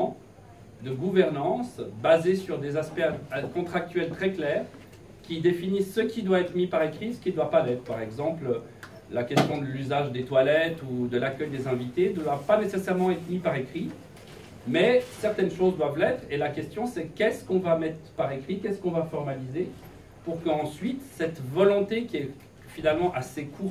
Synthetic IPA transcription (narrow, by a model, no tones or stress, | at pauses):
d̪əɡuvɛʁnɑ̃sbazesyʁd̪ezaspɛkɔ̃t̪χak̚t̪ɥɛlt̪χɛklɛːʁ | kʲid̪efinisːəkʲid̪waɛt̪χəmipaʁekχisə̥kʲid̪wapalɛt̪χəpaʁɛɡzɑ̃pl | lakʲɛst̪jɔ̃d̪əlyzaʒd̪et̪walɛt̪ud̪əlakʲœjd̪ezɛ̃vit̪ed̪wavpanesesɛʁmɑ̃ɛt̪χmipaʁekχi | mɛsɛʁt̪ɛnʃozd̪wavlɛt̪χelakʲɛst̪jɔ̃sɛkʲɛskɔ̃vamɛt̪χpaʁekχikʲɛskɔ̃vafɔʁmalize | puʁkəɑ̃sɥit̪sɛt̪vɔlɔ̃t̪ekʲiɛ | finalmɑ̃ʔasekʰuʁ